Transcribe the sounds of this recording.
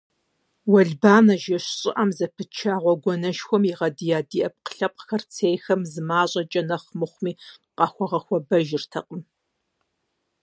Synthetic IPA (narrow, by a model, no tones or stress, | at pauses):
wɐɮbaːnɐʒɐɕɕʼɪ̰ʔɐmzɐpʰɨt͡ʃʰaːʁʷɔɡʷɔnɐʃxʷɔmiʁɐdijaːdiːʔɐp̚qə̥ɬɐp̚ʼxɐrt͡sʰeːjxɐmzɨmaːɕʼɐt͡ʃʼɐnɐχmɨχʷmiːqɑxʷɔʁɐxʷɔbɐʒɪrtʰɐqʼəm